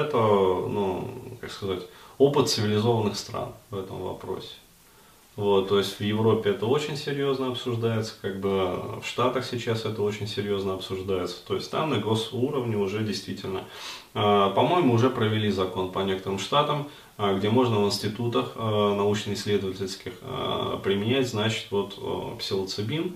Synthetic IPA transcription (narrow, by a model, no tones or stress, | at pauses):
ɛt̪ənukakskɐzatʲo̞pɨt̪sɨvʲɪlʲɪzo̞vənːɨxst̪ɾa̰nvɛt̪ə̰mvɐ̰pɾo̰sʲɪ̥ | vo̞t̪ːo̞jɪsʲtʲvjɪvɾo̞pʲɪɛt̪əo̞t͡ɕɪnʲsʲɪɾʲjo̞znəɐpsʊʐd̪ajɪt̪sə̥kaɡ̚bɨfʂt̪at̪əxsʲɪt͡ɕasɛt̪əo̞t͡ɕɪnʲsʲɪɾʲjo̞znəɐpsʊʐd̪ajɪt̪sə̥t̪o̞ɪsʲtʲt̪a̰mnəɡo̞suɾəvnʲɪʊʐɛdʲɪjst̪vʲitʲɪlʲnə̰ | əpɐmo̞jɪmʊːʊʐɛpɾəvʲɪlʲizɐko̞npɐnʲekət̪əɾɨmʂt̪at̪əm | ɡdʲemo̞ʐnəvɨnʲsʲtʲɪt̪ut̪əxnɐut͡ɕnɨɪsʲlʲe̞d̪əvətʲɪlʲskʲɪxpɾʲɪmʲɪnʲætʲznat͡ɕɪ̥t̪vo̞t̪psʲɪlˠət̪sɨbʲim